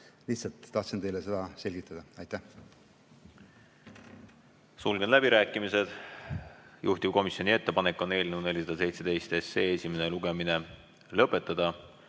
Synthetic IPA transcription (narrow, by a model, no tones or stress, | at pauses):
liçt̪sɑlt̪ːɑht̪sint̪e̞jlese̞d̪ɑse̞lʲɡ̥it̪ːˑɑd̪̥ɑɑjt̪ːæh | sulɡ̥e̞nlæb̥iɾæːkːˑimise̞d̪̥ | juht̪ip̚ko̞misjo̞nie̞t̪ːe̞pɑnekːˑo̞nːe̞ːlʲnewd̪ne̞lʲːis̬ɑd̪̥ɑs̬e̞jt̪se̞d̪̥e̞jst̪est̪ːeːesʲime̞neluɡ̥e̞mine̞ | lɤpːˑe̞t̪ːˑɑd̪̥ɑ